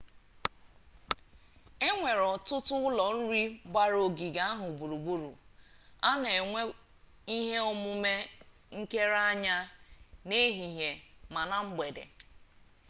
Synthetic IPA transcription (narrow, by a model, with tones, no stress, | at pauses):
e˦ŋʷe˨ɾɔ˨tʊ˦tʊ˦ʊ˦lɔ˨n̩˦ɾi˦ba˦ɾo˨ɡi˨ɡa˦a˦ɦʊ˨bu˨ɾu˨ɡ͡bu˦ɾṵ˨a˦ne˨˦ | i˦ɦe˦o˦mʊ˦me˦ | ŋ̩˦ke˦ɾa˦ɲa˦ne˦ɦi˨ɦe˨ma˨na˦m̩˦ɡ͡be˨dḛ˨